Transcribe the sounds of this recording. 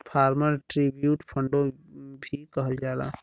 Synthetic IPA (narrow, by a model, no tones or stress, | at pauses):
pʰaːɾməɾʈɾibjuːʈpʰəɳɖobʱikəɦəld͡ʒaːla̰